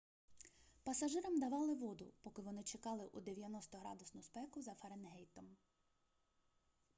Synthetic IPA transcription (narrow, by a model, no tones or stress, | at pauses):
pɐsɐʒɪɾɐmd̪ɐʋɑlˠɪʋɔd̪ʊ̰pɔkɪʋɔnɪt͡ʃekɑlˠɪʔud̪eʋʲjɐnɔst̪ɔɦɾɑ̰d̪ʊsnʊspɛkʊzɐfɐɾenɦɛjt̪ɔm